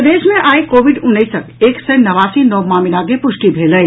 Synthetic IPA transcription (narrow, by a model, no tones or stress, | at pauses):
d̪eːʃmẽʔaːikoːʋɪɖʊ̃nːəɪsəkeːksənɐʋaːsinɔːmaːmɪnaːɡepʊʃʈibʱeːləɪ